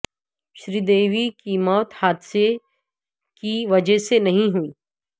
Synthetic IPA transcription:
ʃɾiːd̪eːʋikimɔːt̪haːd̪se | kiʋɐd͡ʒəɦsenɐɦĩɦuiː

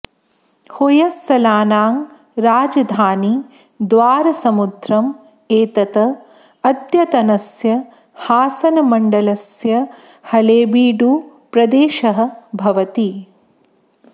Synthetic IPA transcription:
hojɐsːɐlaːnaːŋ | ɾaːd͡ʒɐd̪ʱaːni | d̪ʋaːɾɐsɐmud̪ɾɐm | eːt̪ɐt̪ɐ | ɐd̪jɐt̪ɐnɐsjɐ | haːsɐnɐmɐɳɖɐlɐsjɐ | hɐleːbiːɖuː | pɾɐd̪eːʃɐɦɐ̆bʱɐʋɐt̪i

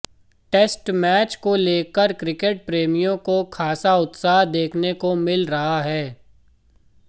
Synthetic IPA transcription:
ʈeːsʈmɛːt͡ʃkoleːkəɾkɾɪkeʈ̚pɾeːmijõkokʰaːsaʊt̪saːɦd̪eːkʰnekomɪlɾɐɦaɦɛː

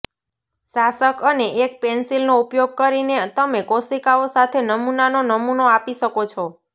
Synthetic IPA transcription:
ʃasəkəneʔek̚pɛnsilnoupjoɡ̚kəɾinet̪əmekosikaosat̪ʰenəmunanonəmunoapiʃəkot͡ʃʰɔ

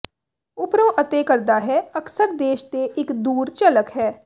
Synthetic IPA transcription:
ʊpɾoːʔət̪eːkəɾd̪aːɦɛːəksəɾd̪eːʃt̪eːʔɪkd̪uːɾt͡ʃələkɦɛː

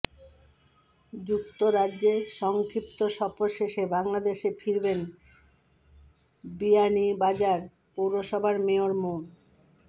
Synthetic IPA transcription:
d͡ʑukt̪oɾadʑeʃɔŋkʰɾip̚t̪oʃɔpoɾʃeʃebaŋlad̪eʃefiɾben | bianibad͡ʑaɾ | powɾoʃɔbʱaɾmeoɾmon

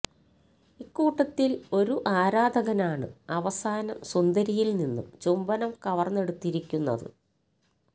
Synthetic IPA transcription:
ikːuːʈːɐt̪ːilo̞ɾuʔaːɾaːd̪ɐɣɐnaːɳɨ̰ɐʋɐsaːnɐmswɐnd̪ɐɾijilninːṵmt͡ɕumbɐnɐmkɐʋɐrnːe̞ɽut̪ːiɾikʲːunːɐ̰ðɨ̰

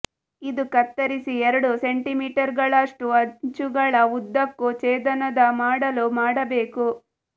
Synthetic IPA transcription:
id̪ukɐt̪ːɐɾisiɛɾɐɽuse̞ɳʈimiːʈɐɾɡɐɭɐʂʈuɐɲt͡ʃuɡɐɭɐud̪ːɐkːut͡ʃeːd̪ɐnɐd̪ɐmaːɽɐlumaːɽɐbeːku

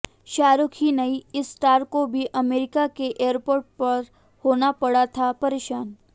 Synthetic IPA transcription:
ʃaːɾʊkʰinɐiɪsːʈaːɾkobʱiʔɐmeːɾɪkakeʔeːəɾpoːɾʈ̚pɐɾ | hoːnapɐɽat̪ʰapɐɾeːʃaːn

